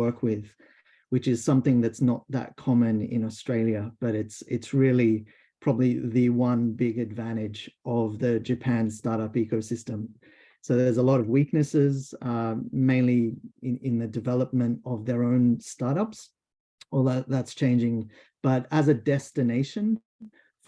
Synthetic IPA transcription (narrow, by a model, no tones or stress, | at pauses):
ɜ˞kʰwɪð̥ | wɨt͡ʃɨz̥sʌ̃mθɪ̃ŋðɨtsnət̪̚ðə̰t̚kʰɑmɨ̃nɪ̰̃nəstɹ̥eɪlˠjɨb̥ʌɾɨtsɪtsɹɪlˠi | pʰɹ̥ɑbəbliðɨwʌ̃nbɪɡɨdvæ̃ɾ̃ɪd͡ʒʌvðɨd͡ʒɨpʰæ̃n̥stɑɹɾʌpikoʊsɪstɨ̃m | soʊðə˞zəlɔɾʌvwik̚nɨsɪz | mẽɪ̃nliɪɪ̃nðɨdɨvɛlˠəp̚mɨ̃ntʌvðə˞õʊ̃nstɑɹɾʌps | əðət̚ðætst͡ʃʰẽɪ̃nd͡ʒɪ̃ŋ | b̥ʌɾəzɨdɛstɨneɪʃɨ̃n